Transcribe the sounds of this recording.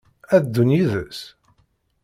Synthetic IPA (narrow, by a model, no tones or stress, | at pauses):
æðd̪ːunjiðəs